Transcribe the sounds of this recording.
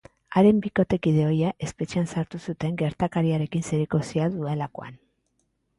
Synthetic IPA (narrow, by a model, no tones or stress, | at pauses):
aɾe̞mbiko̞t̪e̞kið̞e̞o̞jaʔe̞spe̞t͡ʃeansaɾt̪usut̪e̞ŋɡe̞ɾt̪akaɾiaɾe̞kinseɾeko̞siaðue̞lako̞̰a̰n